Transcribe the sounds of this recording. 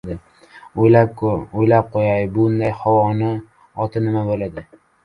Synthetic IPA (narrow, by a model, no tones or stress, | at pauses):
d̪ɪ | ojlap̚kʰʊojlap̚qʰojajbʊɡʊnd̪ajhawɒnɪ | ɒt̪ʰɪnɪmabolad̪ɪ